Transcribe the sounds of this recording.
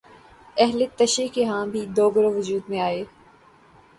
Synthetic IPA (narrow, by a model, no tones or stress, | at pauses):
ɛɦlet̪ɐʃekeɦãːbʱid̪oːɡəɾoʋʊd͡ʒuːd̪mẽaːeː